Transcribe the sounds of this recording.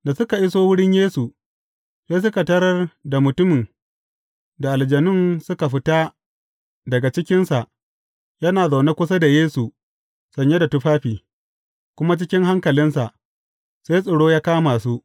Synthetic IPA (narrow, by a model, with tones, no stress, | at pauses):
da˨sʊ˦ka˨ʔɪ˦soː˦wʊ˦ɽɪ˦ɲjeː˦su˨ | se˦s̬ʊ˦ka˨tɐ˦ɾɐ˦rda˨mʊ˨tʊ˦mɪ˨ŋ | da˨ʔa˨ld͡ʒɐ˨nɪ˦nsʊ˦ka˨ɸɪ˦ta˦ | dɐ˨ɡa˨t͡ʃɪ˦kʲɪ˦nsa˨ʔ | jɐ˦naː˨za˨wna˦kʷʊ˦sa˦da˨jeː˦su˨ | sɐ˨ɲje˦da˨tʊ˦ɸaː˦ɸiː˨ | kʷʊ˦ma˦t͡ʃɪ˦kʲɪ˦ŋɦa˦ŋkɐ˨lɪ˦nsa˨ʔ | seː˦jsʼɐ˨ɽoː˦jaː˦kaː˦maː˨su˦ʔ